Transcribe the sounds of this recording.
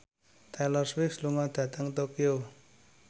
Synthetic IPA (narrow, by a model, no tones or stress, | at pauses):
t̪alɔrswiksluŋɔd̪̥ä̤t̪əŋt̪okio